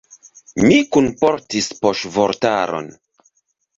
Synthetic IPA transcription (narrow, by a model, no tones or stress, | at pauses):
mikunpo̞ɾtispoʃvoɾtaɾo̞̰n